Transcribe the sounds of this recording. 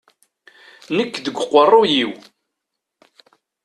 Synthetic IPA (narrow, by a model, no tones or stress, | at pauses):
nəkːd̪əɡʷqʷːərˤːojiw